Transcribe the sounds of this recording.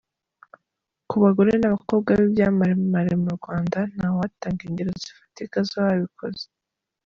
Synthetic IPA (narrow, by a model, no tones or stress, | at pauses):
kuβaɡoɾenaβako̞b̚ɡaβibjaːmaɾemaɾemuɾɡwaːndan̥hawataːŋɡeɲɟeɾozifḁtekazohaβikʰo̰ze̥